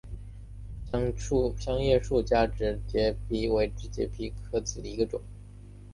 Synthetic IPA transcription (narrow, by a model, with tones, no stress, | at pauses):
ŋu˥˧pʰjɑ˥ŋjɛ˥˧ʂu˥˧t͡ɕja˥˩ʈ͡ʂɻ̩˧˥t͡ɕ̪jɛ˧˥pi˧˥we˧˥ɪʈ͡ʂɻ̩˥˩t͡ɕjɛ̰˧˥pʰi˧˥kʰɤ˥t͡sɹ̩˨˩d̪ə˧˦i˧˥ɡə˧ʈ͡ʂʊ̰˨˩˦ŋ